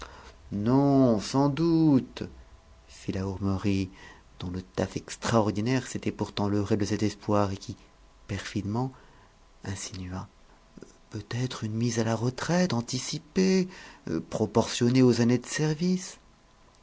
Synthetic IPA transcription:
nɔ̃sɑ̃d̪ut̪ | filauʁmøʁi | d̪̥ɔ̃lət̪afɛkst̪χaɔʁd̪inɛʁset̪ɛpuʁt̪ɑ̃ləʁed̪əsɛt̪ɛspwaʁekʲi | pɛʁfid̪mɑ̃ | ɛ̃sinɥa | pøt̪ɛt̪χynmizalaʁət̪χɛt̪ɑ̃t̪isipe | pχɔpɔʁsjɔneozaned̪əsɛʁvis

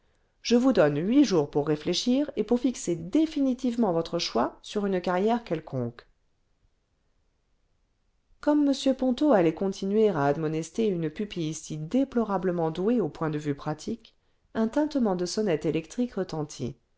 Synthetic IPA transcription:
ʒ̥əvud̪ɔnɥiʒuʁpuʁːefleʃiʁepuʁfiksed̪efinit̪ivmɑ̃vɔt̪χəʃwasyʁynkaʁjɛʁkʲɛlkʰɔ̰̃k | kɔmːəsjøpɔ̃t̪oalɛkɔ̃t̪ʰinɥeʁaːd̪mɔnɛst̪eynəpypisid̪eplɔʁabləmɑ̃d̪ueopwɛ̃d̪əvypχat̪ʰik | ɛ̃t̪ɛ̃t̪əmɑ̃d̪əsɔnɛt̪elɛkt̪χikʁət̪ɑ̃t̪ʰḭ

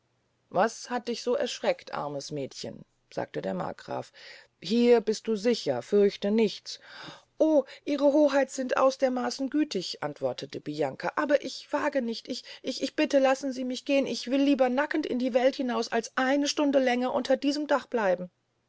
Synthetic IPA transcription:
vashat̚d̥ɪçz̥oːʔɛ̰ɐʃʁ̥ɛktʔa̰ɐməsmɛːtçə̰n | z̥a̰ːk̚tədeːɐma̰ːɡ̥ʁa̰ːf | hiːɐbɪst̚d̥uːzɪçɐ̰fʏɐçtənɪçt͡s | ʔoːʔiːʁ̞əɦoːɦaɪtz̥ɪntʔa̰ʊsd̥eːɐmaːsn̩ɡyːtʰɪçʔa̰ntv̥ɔɐtətʰəb̥ijaŋkʰaʔaːbɐʔɪçv̥aːɡənɪçtʔɪçʔɪçɪçb̥ɪtəlasn̩ziːmɪçɡ̥eːənɪçv̥ɪlːiːbɐnakn̩tɪndiːvɛlthɪnaʊsalsʔaɪnəʃtʊndəlɛŋɐʔʊntʰɐdiːzəmdaχb̥laɪbm̩

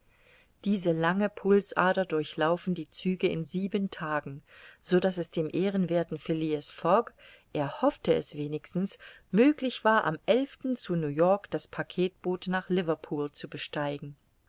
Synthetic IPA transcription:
d̥iːzəlaŋəpʰʊlsʔaːdɐdʊɐçlaʊfn̩diːt͡syːɡəɪ̰nziːbəntʰaːɡŋ̩z̥odasɛsd̥eːmʔeːʁənveːɐtn̩fɪliəsfɔɡ | ʔɛɐhɔftəɛ̰sv̥eːnɪçstn̩s | møːklɪçv̥aːɐʔa̰mʔɛlftn̩t͡sunuːjɔɐkd̥aspʰakʰeːt̚b̥oːtnaːχlɪvɐpʰuːlt͡subəʃtaɪɡŋ̩

